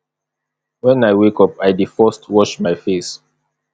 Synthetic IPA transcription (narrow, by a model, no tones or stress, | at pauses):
wɛ̃najwekɔpajdifɔstwɔʃmaɪfes